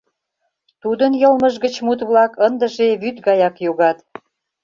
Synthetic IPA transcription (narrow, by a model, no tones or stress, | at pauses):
t̪ud̪ənjɤlməʒɣət͡ɕmut̪βlɑkənd̪əʒeβyt̪ɡɑjɑkjoɣɑt̪